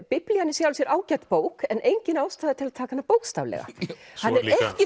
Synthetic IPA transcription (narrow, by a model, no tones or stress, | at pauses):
pɪplianːɪsjawlsjɛɾʔaːwcat̪poːwkɛnejɲcɪnaːwst̪aːðɪt̪ʰɪlðt̪ʰaːkaanːapoːwkst̪a̰ːvlɛ̰ɣa̰hanːɛɾɛhcɪ